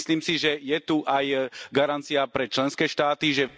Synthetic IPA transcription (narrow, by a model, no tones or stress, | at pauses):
sliːmsiʒɛjɛt̪uʔajɡaɾant̪t͡siapɾɛt͡ʃlɛnskɛːʃt̪aːt̪iʒɛ